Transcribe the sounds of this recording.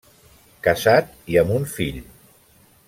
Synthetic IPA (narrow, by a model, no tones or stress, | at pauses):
kəzat̪̚ | iəmunfiʎ